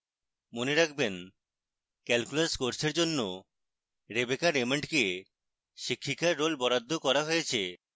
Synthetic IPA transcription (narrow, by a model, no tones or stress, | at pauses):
moneɾakʰben | kɛlkulaskoɾsʰeɾd͡ʑonːo | ɾebekaɾemeɳʈke | ʃikʰːikaɾːolbɔɾad̪ʱːokɔɾaɦojet͡ɕʰe